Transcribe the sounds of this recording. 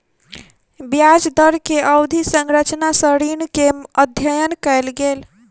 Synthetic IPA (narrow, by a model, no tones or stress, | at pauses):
bjad͡ʒd̪əɾkeʔəwd̪ʱisəŋɾət͡ʃnasəɾinkeməd̪ʱjəjənkəjlɡel